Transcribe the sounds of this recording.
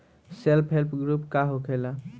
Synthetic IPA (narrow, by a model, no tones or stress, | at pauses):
selpʰɦelpʰɡɾupkaɦokʰela